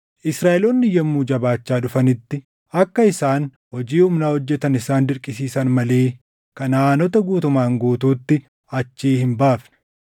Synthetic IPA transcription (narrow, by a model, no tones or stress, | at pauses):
ʔɪsɾaːʔɛloːnːɪjɐmːuːd͡ʒɐbaːt͡ʃːaːᶑʊfɐnɪt̪ːɪ | ɐkːɐɪsaːn | hɔd͡ʒiːhuːmnaːhɔd͡ʒːɛt̪ɐnɪsaːnd̪ɪɾkʼɪsiːsɐnmɐle̞ː | kɐnaːnɔt̪ɐɡuːt̪ʊmaːŋɡoːt̪uːt̪ːɪ | ɐt͡ʃːiːhɪmbaːfnɪ̥